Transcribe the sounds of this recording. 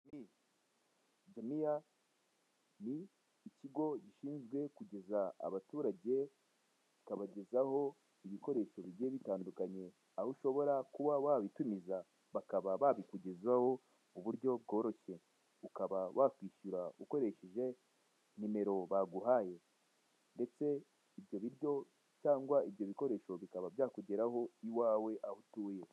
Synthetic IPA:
ni | d͡ʒamija | niː | ciɡo̞ɟiʃiːnzɡwe̞kuɟe̞zaa̰βatuːɾaɟe̞ | ikaβaɟe̞zaho̞ | iβiko̞ɾe̞ʃo̞βiɾɟeːβitaːndukaɲe̞ | ahuʃo̞βo̞ɾakuβawaβitumiza | βakaβaβaβikuɟezwaho̞ | uβuɾɟo̞b̚ɡoːɾo̞çe̞ | ukaβawʔakwiːʃuɾauko̞ɾe̞ʃeʒe̞ | nime̞ɾo̞βaɡuɦaːje̞ | nde̞t͡se̞ | iβjo̞βiɾjo̞ | caːŋɡwaiβjo̞βiko̞ɾe̞ːʃo̞βikaβabjaːkuɟeɾaho̞iwaːwe̞ʔahutuːje̞

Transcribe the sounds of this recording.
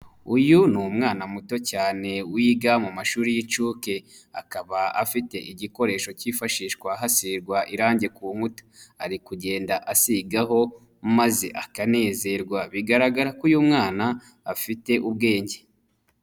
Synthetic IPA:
ujunumŋaːnamuto̞caːne̞wiːɡamumaʃuːɾijit͡ʃuːke̞ | akaβaafite̞̰ʔiɟiko̞ɾe̞ːʃo̞ciːfaʃiːʃkwaɦasiɾɡwaʔiɾaːɲɟe̞kuːŋ̥utḁaɾikuɟe̞ːndaʔasiɡaɦo̞ | mazḛʔakane̞ːze̞ɾɡwaβiɡaɾaɡaɾakujumŋaːnaː | fite̞ʔubɡe̞ːɲɟe

